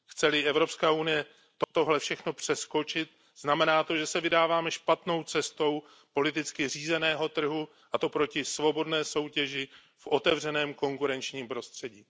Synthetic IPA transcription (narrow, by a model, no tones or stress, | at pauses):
xt͡sɛlɪʔɛvɾo̞pskaːʔunɪjɛ | t̪ot̪o̞ɦlɛfʃɛxno̞pr̝̥ɛsko̞t͡ʃɪt̪̚ | z̥namɛnaːt̪o̞ʒɛsɛvɪdaːvaːmɛʃpat̪no̞wt͡sɛst̪o̞w | po̞lɪt̪ɪt͡skɪr̝iːzɛnɛːɦo̞t̪r̩ɦu | ʔat̪o̞pɾo̞cɪsvo̞bo̞dnɛːso̞wcɛʒɪ | fʔo̞t̪ɛvr̝ɛnɛːmko̞ŋkuɾɛnt͡ʃɲiːmpɾo̞st̪r̝̥ɛɟiː